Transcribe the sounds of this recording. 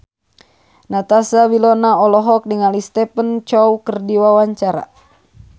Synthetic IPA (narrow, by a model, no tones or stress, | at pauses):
nat̪asawilɔnaɔlɔɦɔk̚diŋalist̪ɛpənt͡ʃɔwkərdiwawaɲt͡ʃaɾa̰